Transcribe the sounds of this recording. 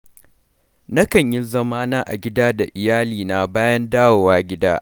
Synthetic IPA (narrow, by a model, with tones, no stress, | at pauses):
nɐ˦kɐ˨ɲjɪ˦zɐ˦maː˦naː˦ʔa̰˨ɡʲɪ˦daː˦da˨ʔɪ˨jaː˦liː˨na˨baː˦jɐ˦ndaː˦woː˨waː˦ɡʲɪ˦da̰ː˦ʔ